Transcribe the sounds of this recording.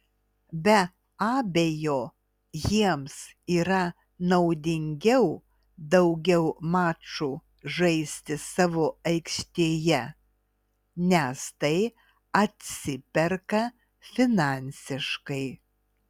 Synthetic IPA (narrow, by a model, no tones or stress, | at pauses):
bʲɛ | ɑːbʲejoː | jiɛmsiːɾɐ | nɐʊd̪ʲɪŋʲɡʲɛʊ | d̪ɐʊɡʲɛʊmɑːt͡ʃuː | ʒɐɪsʲt̪ʲɪsɑːʋoːɐɪkʃʲt̪ʲeːjɛ | nʲɛst̪ɐɪ | ɐt̪ʲsʲɪpʲɛɾkɐ | fʲɪnɑˑnʲsʲɪʃkɐɪ